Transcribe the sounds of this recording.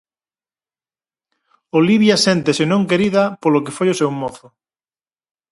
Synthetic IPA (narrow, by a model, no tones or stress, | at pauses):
oliβjɐsɛnt̪esɪnõŋkeɾiðɐpolokefojosewmoθʊ